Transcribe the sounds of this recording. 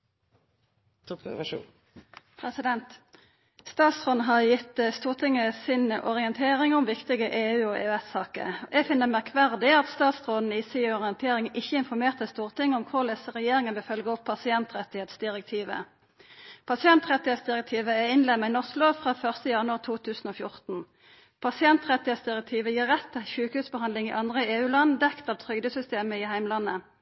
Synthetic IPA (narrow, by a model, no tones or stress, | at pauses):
pʰʁɛsɪd̪ɛnt̪ | st̪ɑːt̪sʁoːd̪n̩ɦɑʁjɪt̪st̪uːʁt̪ʰɪŋːəsɪnʔɔ̰ʁɪənt̪ʰeːʁɪŋʊmʋɪkt̪ɪɡəʔeːʉːɔːʔḛːɛssɑːkə̰ʔɛfɪnːəʁmæʁkʰʋæʁd̪ɪɑt̪st̪ɑːt̪sʁoːd̪n̩iːsiɔʁɪɛnt̪ʰeːʁɪŋʔɪçːəɪnfɔʁmeːʁt̪əst̪uːʁt̪ʰɪŋːəʊmkʰʊʁlɛsəʁɛjeːɾɪŋənʋɛfœlɡəɔpʰːɑsɪɛnt̪ʁɛt̪ɪheːt̪sd̪ɪʁɛk̚t̪ʰiːʋə̰ | pʰɑsɪɛnt̪ʁɛt̪ːɪheːt̪sd̪ɪʁɛk̚t̪ʰiːʋəɛɪnlɛmːæɪnɔʁskloːʋfʁɑːfœʁst̪əjɑnʉɑʁt̪ʰuːt̪ʰʉːsn̩oːfjʊʁt̪n̩ | pʰɑsɪɛnt̪ʁɛt̪ːɪheːt̪sd̪ɪʁɛk̚t̪ʰiːʋəjiːʁɛt̪ʰːɛçʉːkhʉːsbəhɑnd̪lɪŋɪ̰ʔɑnd̪ʁəeːʉːlɑnːd̪ɛkt̪ɑːʋt̪ʰʁʏɡd̪əsʏst̪eːməɪhæɪmlɑnːə